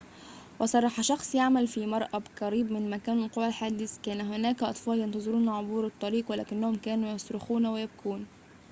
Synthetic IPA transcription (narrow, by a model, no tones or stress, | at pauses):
wɑsˤɑrˤːɑħɑʃɑxsˤjaʕmælfimɑɾˤʔɑbkɑɾiːbmɪnmækæːnɪlqowælħaːd̪ɪskæːnæɦʊnæːkæʔɑt̪ˤfɑːljɑnt̪ɑzˤɨɾuːnʕobuːɾɨt̪ˤːɑɾiːqwælæ̰ːkɪnːæhʊmkæːnujɑsˤɾʊxuːnwɪjæb̚kʰuːn